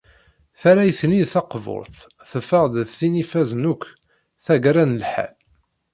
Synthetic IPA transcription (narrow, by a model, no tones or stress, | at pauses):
θaɾæjθniðθɑqvʊ̰ɾˤθ | θəfəʁd̪ðθinifæznukʷː | θæɡɾænəlħæ̰l